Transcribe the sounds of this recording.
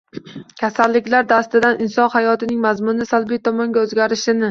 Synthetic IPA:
kʲʰasalːɪkʲlaɾd̪ast̪ɪd̪anʔɪnsɒnhajɒt̪ɪnɪŋmazmʊnɪsalˠbijt̪ʰɒmɒŋɡʲaɵzɡʲaɾɪʃɪnɪ

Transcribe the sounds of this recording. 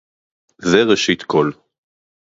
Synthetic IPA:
zeʁeʃit̪kʰol

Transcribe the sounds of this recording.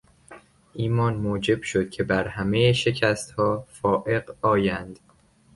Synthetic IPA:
ʔiːmɒːnmoːd͡ʒe̞b̥ʃo̞d̪̥̚cʰe̞bæɾhæmejeʃe̞cʰæst̪hɒːfɒːʔe̞ɢɒːjænd̪̥

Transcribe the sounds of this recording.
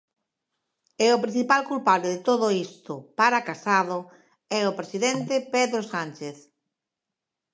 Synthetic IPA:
ɛʊpɾĩn̟θipalkulpaβleðɪt̪oðoist̪ʊpaɾakasaðʊ | ɛʊpɾesiðɛnt̪epeðɾosant͡ʃeθ

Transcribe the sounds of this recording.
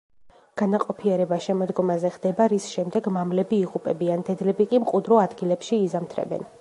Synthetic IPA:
ɡ̥anaqʼɔpʰiɛɾɛbaʃɛmɔd̪ɡɔmazɛʁd̪ɛbaɾisʃɛmd̪ɛɡmamlɛbiːʁʼupʼɛbiand̪ɛd̪lɛbikʼimqʼud̪ɾɔad̪ɡilɛpʃiːzamt̪ʰɾɛ̰bɛ̰n

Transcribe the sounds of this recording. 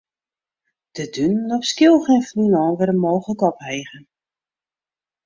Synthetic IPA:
d̥ədynːɔχskɪlˠxenfninɔːnʋɪɾəmoːχələkɔpɦejɣən

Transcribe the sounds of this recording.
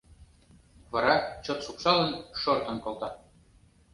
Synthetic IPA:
βɑɾɑt͡ɕot̪ʃuksɑlə̆nʃort̪ɤ̆nkolˠt̪ɑ

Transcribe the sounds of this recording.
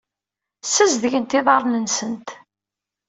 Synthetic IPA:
səzðʝənt̪ɪðˤɑɾˤnənsənt̪

